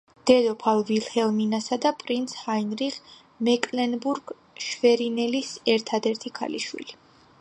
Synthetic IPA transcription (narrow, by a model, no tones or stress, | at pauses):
d̪̥ɛd̪ɔpʰalˠvilˠhɛlˠminasad̪apʼɾint̪sʰhainɾiʁ | mɛkʼlɛnbuɾɡ̥ | ʃvɛɾinɛlisɛɾt̪ʰad̪ɛɾt̪ʰikʰa̰lḭʃwḭli